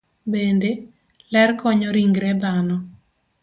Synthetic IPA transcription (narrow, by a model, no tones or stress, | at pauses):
bende | lɛrkɔɲɔɾiŋɡɾɛb̪anɔ